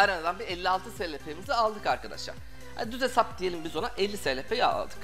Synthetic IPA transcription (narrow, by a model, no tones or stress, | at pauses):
aɾanad̪anbiɛlʲːialˠt̪ʰɯsɛlʲepʰeimizɛalˠd̪ɯkaɾkad̪a̰ʃlˠa̰ɾ̥ | ha̰nd̪yzesap̚d̪ije̞lʲimbizo̞naʔɛlʲːiselʲepʰejia̰lˠd̪ɯk